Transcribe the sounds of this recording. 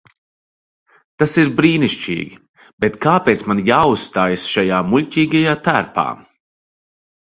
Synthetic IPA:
t̪asiɾbɾiːniʃt͡ʃḭːɡʲi | b̥et̪kaːpeːt̪smanjaːusst̪aːjasʃajaːmulʲcʲiːɡajaːt̪æɾpa̰ː

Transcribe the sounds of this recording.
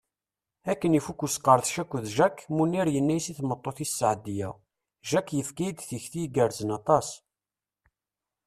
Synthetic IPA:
ækːənifukːusqːəɾˤθʃækʷːəðʒækmunːiɾjənːæjsiθmət̪ˤːoθisːʕd̪ːijæ̰ | ʒækːjəfkæjd̪θəçθijɡəɾzənɑt̪ˤɑs

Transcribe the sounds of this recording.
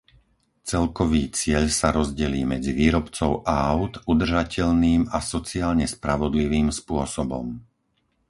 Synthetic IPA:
t͡sɛlkɔʋiːt͡sɪɛʎsaɾɔzɟɛliːmɛd͡ziʋiːɾɔpt͡sɔʊʔaaʊt̪ud̪r̩ʒacɛʎniːmasɔt͡siaːlɲɛspɾaʋɔd̪liʋiːmspʊɔsɔbɔ̰m

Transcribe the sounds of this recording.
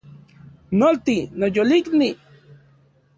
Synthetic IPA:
nolt̪inojolikni

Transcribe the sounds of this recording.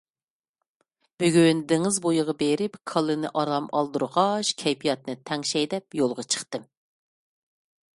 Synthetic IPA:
b̥yɡʲynd̪ɪŋɪzbojɨʁɑbeɾɪpkʰɑlˠɨnɨ̰ʔɑɾlˠɑmɑ̰lˠd̪uɾʁɑʃkʲʰɛjpʰijɑt̪̚nɨt̪ʰɛŋʃɛjd̪ɛpjolˠʁɑt͡ʃʰə̥χt̪ɨm

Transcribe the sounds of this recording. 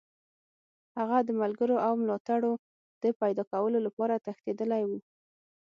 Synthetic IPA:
haɣad̪əmalɡəɾoʔawmlɑt̪aɽo | d̪̥əpajd̪ɑkawəlolapɑɾat̪axt̪ed̪əlajwu

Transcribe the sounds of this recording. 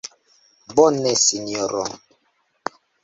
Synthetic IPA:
bɔnɛsiniɔɾɔ̰

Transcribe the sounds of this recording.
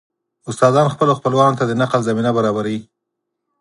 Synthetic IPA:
ʊst̪ɑzɑnxpəloxpəlwɑnot̪ad̪ənaqlzaminabaɾɑbaɾawi

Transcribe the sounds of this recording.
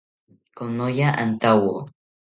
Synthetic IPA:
konojaʔant̪awo

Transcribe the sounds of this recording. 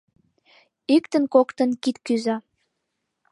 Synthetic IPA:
ykt̪ənkokt̪ə̆nkit̪kyzɑ

